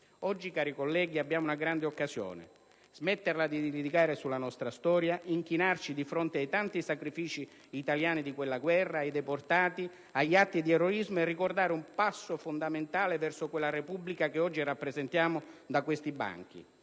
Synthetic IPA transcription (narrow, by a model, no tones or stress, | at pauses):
ɔd͡ʒːikaːɾikolːɛːɡiabːjaːmunaɡɾand̪eokːazjɔ̰ːnɪ̰ | z̥mɛt̪ːerlad̪id̪ilid̪ikaːɾesulːanɔst̪ɾast̪ɔːɾjaʔiŋk̟inart͡ʃid̪ifɾɔnt̪ɪajt̪ant̪isakɾifiːt͡ʃiː | t̪aljaːnid̪ikwelːaɡwɛrːaːjd̪ɛport̪aːt̪i | aʎːat̪ːid̪iɛrːoizmʊɛrːikord̪aːɾɪumpasːʊfond̪ament̪aːlevɛrsʊkwelːarepubːlikakeɔd͡ʒːirapːɾezɛnt̪jaːmʊd̪akwest̪iba̰ŋk̟ḭ